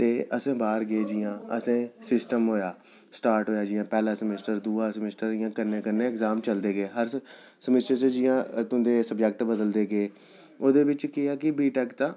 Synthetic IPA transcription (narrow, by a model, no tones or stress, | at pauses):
t̪eːʔəsẽːbaːɾɡəeːd͡ʒɪːãːə̰sẽːsɪsʈəmɦoːjaː | sʈaːɾʈɦoːjaːd͡ʒɪːãːpɛːlaːsəmɪsʈəɾd̪uːaːsəmɪsʈəɾɪjãːkənːẽːkənːẽːkzaːmt͡ʃəld̪eːɡeːɦəɾ | səmɪsʈət͡ʃəd͡ʒɪjãːt̪ʊ̃nd̪eːsəbd͡ʒək̚ʈbəd̪əld̪eːɡeː | oːd̪eːʋɪt͡ʃkɪaːkɪbiːʈɛːkt̪ãː